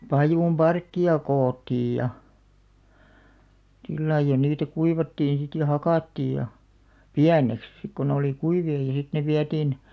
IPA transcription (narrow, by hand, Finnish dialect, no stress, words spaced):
pɑjuˑm b̥ɑrkːiɑ koːtːij jɑ silːɑij̆ jɑ niːtæ kuiʋɑtːin̞ sit jɑ hɑkɑˑtːiːj̆ jɑ piæneks sik ko ne oliˑ kuiʋiɑ jɑ sit ne ʋiætiːn